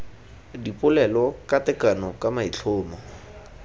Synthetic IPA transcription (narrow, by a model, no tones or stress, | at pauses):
dipʼʊlɛlɔkatɛkanɔkʼamait͡ɬʰʊːmɔ